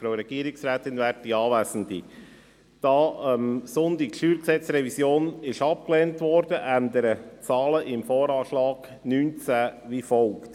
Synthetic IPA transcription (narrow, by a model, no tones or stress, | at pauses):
fɾoɾɛɡ̥iəɾɪksɾæːtɪnvæːɾt̚d̥iɑːʋæːsən̩di | d̥ɑːəmsʊndikʃyːɾksɛt͡sɾɛvisjoːnɪʃɑp̚klɛːntʋɔɾd̥əʔænd̪əɾət͡sɑːləʔɪmfɔːɾɑːʃlɑːɡ̥ | nyːnt͡sæʋifɔlkt